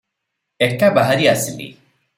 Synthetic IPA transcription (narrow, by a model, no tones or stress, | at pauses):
ekːabɐɦɐɾiɐsilḭ